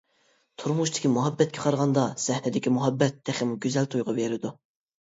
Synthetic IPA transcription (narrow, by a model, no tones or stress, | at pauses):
t̪ʰuɾmuʃt̪ʰɪ̥kʲimuɦɑbːɛt̪̚kʲʰɛqʰɑɾʁɑnd̪ɑz̥ɛhnɪd̪ɪkʲimuɦɑbːɛt̪ːæχɪmuɡʲyzɛlt̪ʰujʁɑveɾɪd̪u